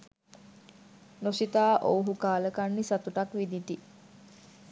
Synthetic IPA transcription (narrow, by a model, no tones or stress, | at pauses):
nosit̪aːʔowɦukaːləkanːisat̪uʈakʋid̪iʈi